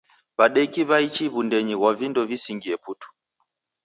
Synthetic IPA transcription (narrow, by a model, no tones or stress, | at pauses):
βaɗɛkiβait͡ʃiβundɛɲiɣwavindɔvisiŋɡiɛputu̥